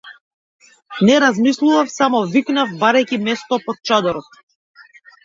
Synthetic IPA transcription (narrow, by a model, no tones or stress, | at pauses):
nɛɾazmislˠuvafsamɔviknavbaɾajcimɛst̪ɔpɔt̪̚t͡ʃad̪ɔɾɔt̪̚